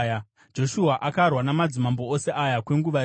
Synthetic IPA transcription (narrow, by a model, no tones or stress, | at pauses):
d͡ʒo̞ʃuaʔakarwanamad͡zimambo̞ose̞ʔajakwe̞ŋɡuʋa